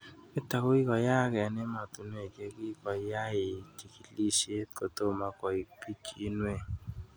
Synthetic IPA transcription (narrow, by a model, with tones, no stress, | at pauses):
e˦ta˨ko˦i˦kɔ˨ja˦˨kɛ˨ne˦ma˨tu˨n˦e˨ɡe˧ki˦kɔ˨˦ja˦e˨ti˨ki˨li˦se˦tko˨to˦˨ma˧kɔ˨i˨pi˦ki˦nwe˦˨